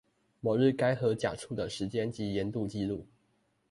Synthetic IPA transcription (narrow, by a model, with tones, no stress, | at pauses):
mɔ˨˩ɻ̩˥˩ka˥ɪxɤ˧˥t͡ɕja̰˨˩ʈ͡ʂʰu˥˩d̪ə˩ʂɻ̩˧˥t͡ɕjɛ˥nt͡ɕi˧˥jɛ˧˥nt̪u˥˧t͡ɕi˥˧lu˥˩